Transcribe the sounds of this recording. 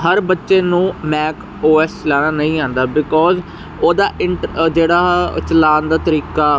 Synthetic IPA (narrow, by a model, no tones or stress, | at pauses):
ɦəɾbətːʃeːnũːmɛːk | oːɛːslɛːɽaːnəĩːãːnd̪aːbɪkɔːz | oːd̪aːʔɪɳʈd͡ʒeːɽaːt͡ʃəlaːnd̪aːt̪əɾiːkaː